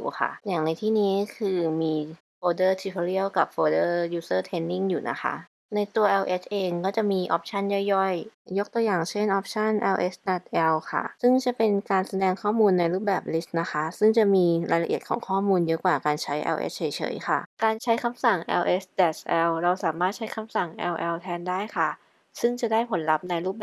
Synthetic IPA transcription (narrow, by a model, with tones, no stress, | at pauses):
jṵː˨˩xʰa̰˥˩ja˨˩ŋna˧jt̪ʰiː˥˩niː˦˥kʰɯː˧miː˧ | foː˧dɤː˥˩t̪ʰi˧pʰo˧ɾi˥˩əwka˨˩p̚foː˧dɤː˥˩juː˦˥sɤː˥˩t̪ʰe˦˥nːi˥˩ŋjuː˨˩nʔa̰˦˥xʰa̰˦˥ʔ | na˧jt̪u˧ɐʔɛː˧wʔe˦˥sʰʔeː˧ŋkɔː˥˩t͡ɕa˨˩miː˧ʔɔ̰˦˥p̚t͡ɕʰa˥˩njɔ˥˩jːɔ˥˩jjo˦˥k̚t̪u˧jaː˨˩ŋt͡ɕʰe˥˩nʔɔː˦˥p̚t͡ɕʰa˥˩nʔɛː˧wʔe˦˥sdɛ˨˩t̪̚ʔɛ˧wkʰa̰˥˩sɯ˥˩ŋt͡ɕa˨˩pe˧nkaː˧nsa˧dɛː˧ŋkʰɔː˥˩muː˧nːa˧jɾuː˥˩p̚bɛː˨˩p̚li˦˥st̪̚na˦˥xʰa˦˥sɯ˥˩ŋt͡ɕa˨˩miː˧ɾaː˧jla˧ʔi˨˩ət̪̚kʰɔː˩˦ŋkʰɔː˥˩muː˧njɤ˦˥kwaː˨˩kaː˧nt͡ɕʰa˦˥jʔɛ̰˧wʔḛ˦˥t͡ɕʰɤ˩˦jt͡ɕʰɤ̰˩˦jkʰa˥˩kaː˧nt͡ɕʰa˦˥jkʰa˧msa˨˩ŋʔɛ̰ː˧wʔe˦˥sdɛː˨˩sʔɛː˧wɾa˧wsaː˨˩˦maː˥˩t̪̚t͡ɕʰa˦˥jkʰa˧msa˨˩ŋʔɛ̰ː˧wʔɛː˧wt̪ʰɛː˧ndaː˥˩jkʰa˥˩ | sɯ˥˩ŋt͡ɕa˨˩daː˥˩jpʰo˩˦nla˦˥p̚na˧jɾuː˥˩p̚b